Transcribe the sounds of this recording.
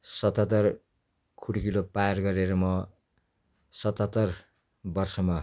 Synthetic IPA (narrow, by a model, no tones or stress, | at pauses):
sʌt̪ʌt̪ʌr | kʰuɽkilopajarɡʌɾeɾʌmʌ | sʌt̪ʌt̪ːʌr | bʌrsʌma